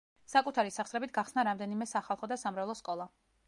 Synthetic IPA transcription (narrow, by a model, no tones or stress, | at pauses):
sakʼut̪ʰaɾisaχsɾɛbit̪̚ʰɡaχsnaɾamd̪ɛnimɛsaχalˠχɔd̪asamɾavlˠɔskʼɔlˠa